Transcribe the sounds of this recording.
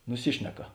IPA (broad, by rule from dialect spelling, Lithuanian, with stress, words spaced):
nʊˈsʲɪʃʲnʲɛkɐ